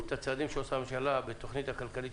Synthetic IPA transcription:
t̪at͡sad̪imʃeosameʃalabet̪o̞χnit̪hakalkalit

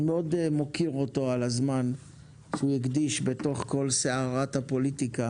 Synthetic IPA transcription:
meodmo̞kiʁot̪o̞alazman | ʃeujiɡd̪iʃbe̞t̪o̞χko̞lseaʁathapo̞litika

